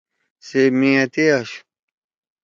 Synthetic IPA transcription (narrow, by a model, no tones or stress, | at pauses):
semĩɐt̪eɐɕ